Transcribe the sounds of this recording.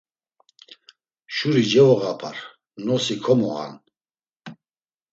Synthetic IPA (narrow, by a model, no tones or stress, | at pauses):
ʃuɾid͡ʒɛvɔɣapʰaɾ | nɔsikʰɔmɔ̰ha̰n